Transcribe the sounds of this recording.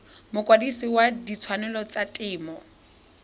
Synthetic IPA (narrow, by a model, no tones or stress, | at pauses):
mʊkʼwadisiwadit͡sʰwanɛlɔt͡satʼɪːmɔ